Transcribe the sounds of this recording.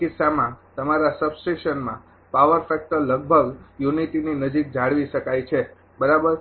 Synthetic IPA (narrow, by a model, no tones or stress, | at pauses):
kɪsamãt̪əmaɾasəbsʈeʃənmã | paʋəɾfɛk̚ʈəɾləɡ̚bʱəɡjunitininəd͡ʒik̚d͡ʒʱaɽʋiʃəkajt͡ʃʰe | bəɾabəɾ